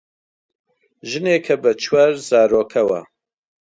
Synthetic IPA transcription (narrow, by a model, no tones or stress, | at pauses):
ʒɨneːkʰɐbɐt͡ʃʰwaɾzaːɾoːkʰɐwɐ̰